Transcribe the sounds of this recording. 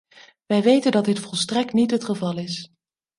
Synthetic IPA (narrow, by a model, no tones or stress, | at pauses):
ʋɛjʋejtəndɑdɪtfɔlˠstrɛk̚tnitɦətχəvɑlˠɪs